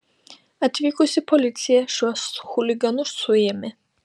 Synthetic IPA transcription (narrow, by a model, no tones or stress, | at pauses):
at̪ʰvikʼusipʰɔlit̪sʰiaʃwasχuliɡanuʃt̪sʰujɛmɛ